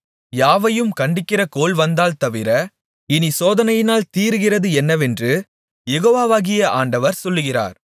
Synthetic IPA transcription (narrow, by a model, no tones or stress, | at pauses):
jaːʋɐjɯmkɐɳɖɪkːɪrɐkoːlʋɐnd̪aːlt̪ɐʋɪɾɐ | ɪnisoːðɐnɐjɪnaːlt̪iːɾɯɣɪrɐðɯɛnːɐʋɛndrɯ | jɛɣoːʋaːʋaːɣɪjɐʔa̰ːɳɖɐʋɐɾsɔlːɯɣɪra̰ːɾ